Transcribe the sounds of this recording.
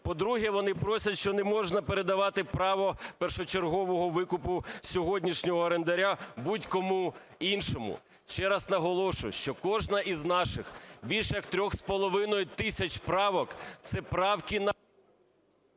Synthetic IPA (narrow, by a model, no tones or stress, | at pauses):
pɔd̪ɾuɦɛʋɔnɪpɾɔsʲɐtʲʃt͡ʃɔnɛmɔʒnɐpeɾed̪ɐʋɑt̪ɪpɾɑʋɔpɛrʃɔt͡ʃerɦɔʋɔɦɔʋɪkʊpʊsʲɔɦɔdʲnʲiʃnʲɔɦɔɐɾend̪ɐɾʲabutʲkɔmu | inʃɔmʊ̰ | ʃt͡ʃɛɾɐsnɐɦɔlˠɔʃʊjʃt͡ʃɔkɔʒnɐʔiznɑʃɪxbʲilʲʃɛjɐkt̪ɾʲɔxspɔlˠɔʋɪnɔjʊt̪ɪsʲɐt͡ʃpɾɑʋɔkt̪sɛpɾɑwkʲin